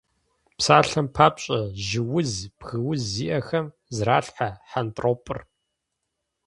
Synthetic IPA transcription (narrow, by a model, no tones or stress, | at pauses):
psaːɬɐmpʰaːpɕʼɐʒɪwʊzb̥ɣɨwʊzːiːʔɐxɐm | zraːɬħaħantʼroːpʼɨr